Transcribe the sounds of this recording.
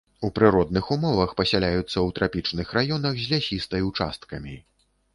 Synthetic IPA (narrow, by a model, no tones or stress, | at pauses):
upɾɨɾɔd̪nɨxumɔvɐxpɐsʲalʲajut̪sːɐwt̪ɾʔapʲit͡ʂnɨxrajɔnɐɣzʲlʲasʲist̪ɐjwt͡ʂa̰st̪kɐmʲi